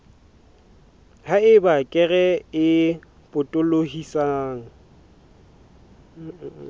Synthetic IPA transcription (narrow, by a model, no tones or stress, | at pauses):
haɪbakʼɛɣɛɪ | pʼʊtʼʊlohisaːŋ̩